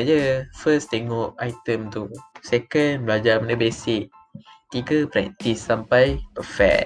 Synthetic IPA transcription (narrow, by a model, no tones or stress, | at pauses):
ad͡ʒəfəst̪eŋɔʔajt̪əmt̪usekənblad͡ʒamə̃ndəbesɪʔ | t̪iɡəpɾɛ̰k̚t̪isːampajpəfɛ̰k̚